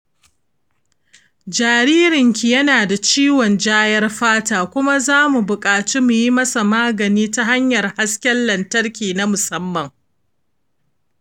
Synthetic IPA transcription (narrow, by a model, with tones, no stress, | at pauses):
d͡ʒaː˨ɾiː˦ɾɪ˨ŋkʲi˨jɐ˦naː˨da˨t͡ʃiː˦wɔ˨nd͡ʒaː˦jɐ˦rɸaː˦taː˨kʷʊ˦ma˦zaː˦mu˨bʊ˨kʼaː˨t͡ʃi˦mu˨ji˦mɐ˦sa˨maː˦ɡɐ˨niː˦ta˦ɦa˦ɲjɐ˨rha˦skʲɛ˦nːɐ˨ntɐ˦rkʲiː˨na˦mʊ˨sɐ˦mːɐ˨ŋ